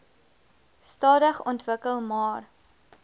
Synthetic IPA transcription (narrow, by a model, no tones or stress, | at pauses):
stɑːdəχɔntvəkəlˠmɑːr